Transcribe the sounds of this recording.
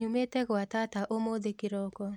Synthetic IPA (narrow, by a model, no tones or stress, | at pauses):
umetɛɡwatataʔomod̪ekɪɾɔkɔ